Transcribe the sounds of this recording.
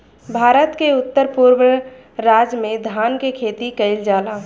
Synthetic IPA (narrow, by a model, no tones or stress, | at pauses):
bʱaːɾət̪keʊt̪ːəɾpuɾwə | ɾaːd͡ʒmẽd̪ʱaːnkekʰeːt̪ikəɪld͡ʒaːlaː